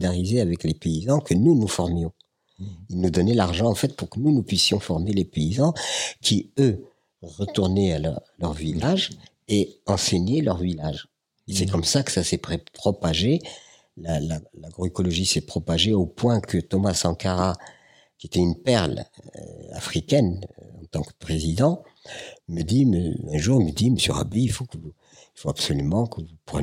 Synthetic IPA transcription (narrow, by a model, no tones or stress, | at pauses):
d̪aʁizeavɛklepeizɑ̃kʰənunufɔʁmjɔ̃ | ilnud̪ɔnɛlaʁʒɑ̃ɑ̃fɛt̪̚puʁkənunupɥisjɔ̃fɔʁmelepeizɑ̃kʰʲiø | ʁət̪uʁnɛal̰ʁlœʁvilaʒ | eɑ̃seɲelœʁvilaʒ | esɛkɔmsakə̥sasɛpepχɔpaʒe | lalalaɡʁɔekɔlɔʒisɛpχɔpaʒeopwɛ̃kət̪ɔmasɑ̃kaʁa | kʲiet̪ɛynpɛʁl̰ | a̰fχikʲɛnɑ̃t̪ɑ̃kə̥pχezid̪ɑ̃ | məd̪iməɛ̃ʒuʁməd̪iməsjø̰ʁa̰biifokəvu | ilfoabsɔlymɑ̃kəvupχən